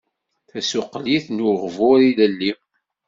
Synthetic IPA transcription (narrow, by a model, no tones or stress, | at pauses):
θæsʊqːliθnuʁvʊɾiləlːi